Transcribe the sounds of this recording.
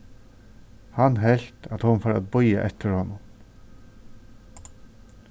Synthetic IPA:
hɑnɦɛlt̪ʰɑt̪hʊnfoːɾɑ̰t̪̚bɔʏə̰ʔɛt̪ʰəɾhɔnʊm

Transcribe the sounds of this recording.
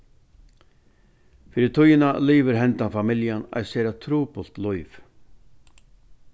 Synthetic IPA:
fiːɾɪt̪ʰʊjɪnaliːvɪɾɦɛnt̪anfamɪljana̰jsɛɾat̪ʰɾuːpʊlt̪lʊjv

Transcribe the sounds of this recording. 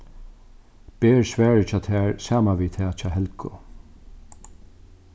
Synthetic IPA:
b̥eːɹsʋæːɹət͡ʃʰɑːt̪ʰɛːɹsaːmaʋiːt̪ʰɛːt͡ʃʰaːɦɛlkʰʊ̰

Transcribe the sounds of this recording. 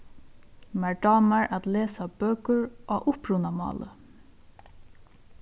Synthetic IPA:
mæɹɖɑːmaɹat̪leːsabøːkəɹʔaʔʊhpɾunamɑ̰ːlə̰

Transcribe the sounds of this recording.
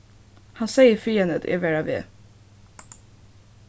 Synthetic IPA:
hɑnseɪəɾfiːənd̪ət̪ʰɛ̰ʋæɾaʋḛː

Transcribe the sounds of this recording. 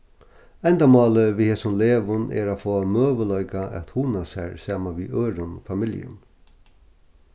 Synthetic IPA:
ɛnd̪amɑːləʋiheːsʊnleːʋʊnʔɛ̰ɾafoːamøːʋəlœjkaʔɛ̰t̪hunasæ̰ɹsaːmaʋiʔøːɾʊnɔ̰famɪljə̰n

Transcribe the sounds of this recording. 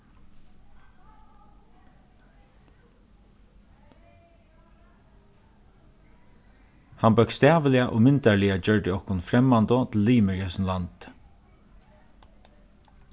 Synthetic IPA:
hanbœɥkst̪ɛːʋəlɪaʔɔ̰ɣmɪnt̪aɹlɪad͡ʒœɹt̪ɪɔhkʊnfɾɛmːant̪ʊt̪ʰɪlːiːmɪɹɛsnlant̪

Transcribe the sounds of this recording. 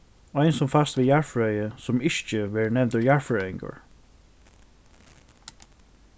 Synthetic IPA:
aɪnsɔmfast̪ʋɪːjaɹfɹœʏjəsɔmɪʃt͡ʃəʋɛːɹnɛnt̪əɹjaɹfɹœjɪŋkə̰ɹ

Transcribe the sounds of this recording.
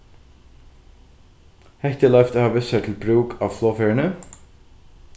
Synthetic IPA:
hɛht̪ɪlœft̪hɑːʋɪsɛt̪ʰɪlbɾʉːkʰɑːʋfloːfœɹənə

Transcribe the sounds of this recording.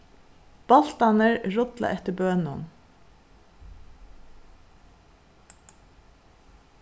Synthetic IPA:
b̥ɑlt̪ɑnəɹɹʊd̪lɑ̰ʔɛt̪əbøːnʊ̰n

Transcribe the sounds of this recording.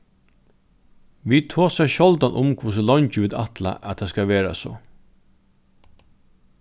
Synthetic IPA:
ʋiːt̪ʰoːsɛʃɔld̪anʔʊmkʰvusəlɔɲt͡ʃəʋʉːd̪a̰t̪la̰ʔæt̪ʰːɑskɑʋeːɾa̰so̰ː

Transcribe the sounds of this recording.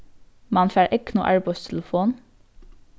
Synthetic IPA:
mɑnfæːɹʔɛknṵːʔæ̰ɹbœst̪ʰɛləfoːn

